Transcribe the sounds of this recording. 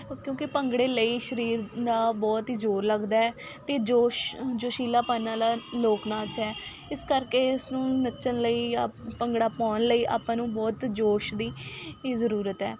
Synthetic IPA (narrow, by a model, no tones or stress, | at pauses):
kjõːkɪpəŋɡɽeːləiːʃəɾiːɾd̪aːbɔːt̪id͡ʒoːɾləɡd̪aːɛːt̪eːd͡ʒoːʃd͡ʒoːʃiːlaːpãːnãːlaːloːknãːt͡ʃɛː | ɪskəɾkeːɪsnũːnət͡ʃənləiːpəŋɡɽaːpɔ̃ːnləiːʔa̰ːpãːnũːbɔːt̪d͡ʒoːʃd̪iːzəɾuːɾət̪ɦɛ̰ː